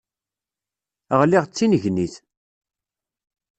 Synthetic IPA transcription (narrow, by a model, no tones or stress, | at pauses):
əʁliʁt͡sːinəʝniθ